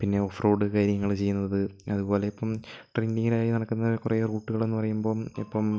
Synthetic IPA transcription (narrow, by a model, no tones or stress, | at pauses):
pinːe̞ofroːɖɨkaːɾjɐŋːɐɭt͡ɕe̞jːunːɐɐðɨɐðubo̞ːle̞ipːɐmʈrindiŋilaːjinɐɽɐkːunːɐkureːruːʈːuɣɐɭe̞nːɨpɐrɐjumbo̞ːmipːɐm